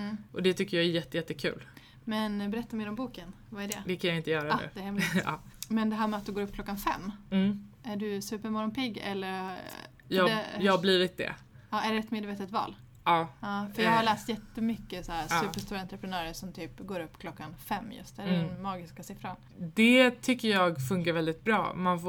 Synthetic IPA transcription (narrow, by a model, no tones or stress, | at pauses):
m̩ːʔɔd̪ɛt̪ʰʏkːəjɑɛɾjɛt̪ːəjɛt̪ːəkʰʉ̟ːl | mɛnbɛɾɛt̪ːameːɾɔmbuːkən | vaæɖɛd̪ɛkʰanjaɪnt̪əjœːɾaʉ̰ːd̪ɛæɾhɛmlɑ̰ːmɛnd̪ɛɦæːɾmɛat̪d̪ɵɡoːɾɵp̚ːkʰlɔkːanfɛ̰mː | æɖɵsʉ̟ːpəɾmɔɾɔnpʰɪɡːɛ̰lːəɾ | j̪ɛjɑːhhabliːvɪt̪̚d̪ɛ̰ | ɑːʔæɖɛɛt̪meːd̪veːt̪ət̪vɑ̰ːl | ɑːɑːfœɾjɑːɡhaɾlæːst̪jɛt̪ːəmʏkːəsaæsʉ̟pəʂt̪uːɾaant̪ɾɛpɾɛnœːɾəʂɔmt̪ʰyːpɡoːɾɵpːkʰlɔkːanfɛmːjɵ̰st̪d̪ɛɛnmɑːɡɪskasɪfɾan | d̪ɛt̪ʰʏkːəjɑːɡfɵŋkaɾvɛld̪ɪt̪̚bɾɑ̰ːmanf